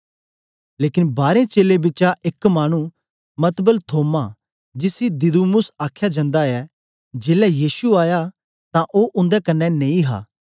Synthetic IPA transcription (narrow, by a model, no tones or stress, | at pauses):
leːkɪnbaːɾẽt͡ʃeːlebɪt͡ʃaʔɪkmaːñu | mɐt̪bəlt̪ʰoːma | d͡ʒɪsid̪ɪd̪umʊsaːkʰjad͡ʒɐ̃ːnd̪aɛ | d͡ʒeːlɛjiːsuaːja | t̪ãʔoʔʊ̃nd̪ɛkɐnːɛnẽːĩɦa̰ː